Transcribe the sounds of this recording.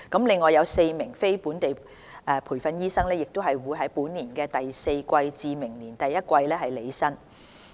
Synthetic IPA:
kɐ˨˥mlɪ˨ŋːɔː˨jɐ˨˧wse˧jmɪ˨˩ŋfe˥jpuː˨˥nt̪e˨j | ʔɛː˧pʰuː˨˩jfɐ˧njiː˥sɐ˥ŋlɛː˥jɪ˨k̚t̪o˥wɦɐ˨jwuː˨˧jɦɐ˨˥jpuː˨˥nːiː˨˩nkɛː˧t̪ɐ˨jse˧jkʷɐ˧jt͡siː˨˧mɪ˨˩ŋliː˨˩nt̪ɐ˨jːɐ˥t̚kʷɐ˧jlɛː˥ɦɐ˨˩jle˨˧jsɐ˥n

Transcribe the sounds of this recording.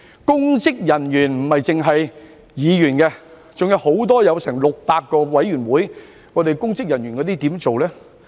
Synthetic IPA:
kʊ˥ŋt͡sɪ˥k̚jɐ˨˩njyː˨˩nm̩˨˩hɐ˨jt͡sɪ˨ŋɦɐ˨j | jiː˨˧jyː˨˩nkɛ˧ | t͡sʊ˨ŋjɐ˨˧who˨˥wt̪ɔː˥jɐ˨˧wsɛː˨˩ŋlʊ˨k̚paː˧t̚kːɔː˧wɐ˨˥jɥyː˨˩nwuː˨˥j | ŋɔ˨˧d̪e˨jkʊ˥ŋt͡sɪ˥k̚jɐ˨˩njy˨˩nkɔː˨˧t̪iː˥t̪iː˨˥mt͡so˨wlɛː˥

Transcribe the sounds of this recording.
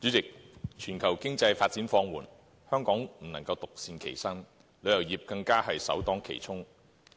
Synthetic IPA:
t͡sy˨˥t͡sɪ˨k̚t͡ʃʰyː˨˩nkʰɐ˨˩wkɪ˥ŋt͡sɐ˧jfaː˧t̚t͡siː˨˥nfɔː˧ŋwuː˨˩n | hœː˥ŋkɔː˨˥ŋm̩˨˩nɐ˨˩ŋkɐ˧wt̪ʊ˨k̚siː˧nkʰe˨˩jsɐ˥n | lɵ˨˧ɥjɐ˨˩wjiː˨˩p̚kɐ˧ŋkaː˥hɐ˨jsɐ̰˨˥wt̪ɔː˨˥ŋkʰḛ˨˩jt͡sʰʊ˥ŋ

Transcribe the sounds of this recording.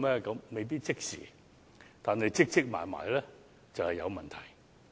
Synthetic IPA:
mɛː˥kɐ˨˧mme˨jp̬iː˥t̚t͡sɪ˥k̚sḭː˨˩ | t̪aː˨nhɐ˨jt͡sɪ˥k̚t͡sɪ˥k̚ma̰ː˨˩jma̰ː˨jlɛː˦˥ | t͡sɐ˨whɐ˨jɐ˨˧wmɐ˨nt̪ʰɐ˨˩j

